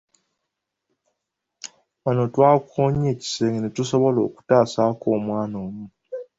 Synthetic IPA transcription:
βano̞twaːkoɲeːci̥seːŋɡenetuso̞βo̞lo̞̰ːku̥taːsako̞ːmwaːnoːmu

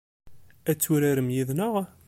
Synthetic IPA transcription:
æt͡sːuɾaɾəmjiðnəʁ

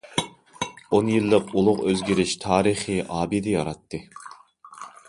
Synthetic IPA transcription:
onjilˠːɨpulˠʊqøzɡʲiɾɪʃt̪ʰɑːɾiχiʔɑːbid̪ɨjɑ̰ɾɑt̪ʰːɨ

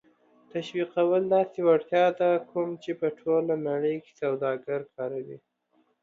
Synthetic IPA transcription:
t̪aʃwiqawəld̪ɑsewaɽt̪jɑd̪akʰumt͡ʃepəʈʰolanaɽəjke̥sawd̪ɑɡaɾkʰɑɾawḭ

